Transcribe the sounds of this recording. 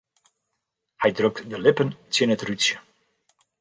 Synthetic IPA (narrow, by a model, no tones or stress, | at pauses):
hɛjdrøkdəlɪpəntjənətrytsjə̥